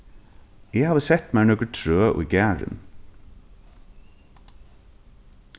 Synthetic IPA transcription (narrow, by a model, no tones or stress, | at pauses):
eːhɑːʋəsɛt̪mæːɳɔɡəʈʰɾøːʔo̰ːiɡæːɹə̰n